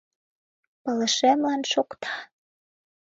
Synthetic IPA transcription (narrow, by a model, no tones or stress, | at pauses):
pɤ̆lə̆ʃemlɑnʃokt̪ʰɑ